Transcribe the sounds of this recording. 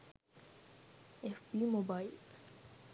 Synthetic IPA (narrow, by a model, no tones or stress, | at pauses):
efbimobail